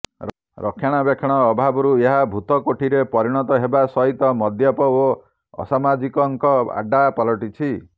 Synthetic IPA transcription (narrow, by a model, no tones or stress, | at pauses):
ɾɔkʰjaɽ̃ɔbekʰɔɽ̃ɔːbʱabɔɾueɦabʱut̪ɔkoʈʰiɾepɔɾiɽ̃ɔt̪ɔɦebasɔɦit̪ɔmɔd̪jɔpɔo | ɔ̰samad͡ʒikɔŋkɔa̰ɖapɔlɔʈit͡ʃʰi